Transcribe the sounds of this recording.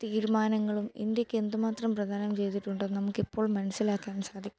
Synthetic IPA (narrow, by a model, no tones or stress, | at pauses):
t̪iːɾumaːnɐŋːɐɭumḭnd̪jɐkʲːe̞nd̪umaːt̪rɐmprɐd̪ʱaːnɐmt͡ɕe̞jt̪iʈːuɳɖɨːnɐmukːipːo̞ːɭmɐnɐsːilaːkːaːnsaːd̪ʱikʲː